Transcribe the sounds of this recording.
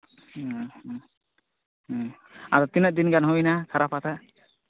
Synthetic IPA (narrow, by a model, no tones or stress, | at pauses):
aɾɔt̪inəʔ̚d̪inɡanɦɔjnakʰaɾapat̪a